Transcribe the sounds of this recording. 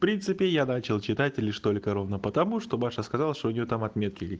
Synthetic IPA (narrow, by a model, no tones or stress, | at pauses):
fpɾʲint̪sɨpʲɪjanat͡ɕɪlˠt͡ɕɪt̪atʲlʲɪʂt̪o̞lʲkəɾo̞vnəpət̪ɐmuʂt̪o̞baʂəskɐzalˠʂt̪oʊnʲɪjot̪amɐt̪mʲe̞t̪̚kʲɪ